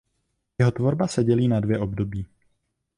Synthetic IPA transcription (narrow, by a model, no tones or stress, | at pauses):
jɛɦo̞t̪vo̞ɾbasɛɟɛliːnadvjɛʔo̞bdo̞biː